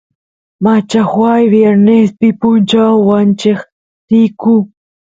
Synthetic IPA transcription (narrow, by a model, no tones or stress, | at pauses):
mat͡ʃaxwajwjeɾnespɪpʊnt͡ʃawant͡ʃɪχ | t̪iku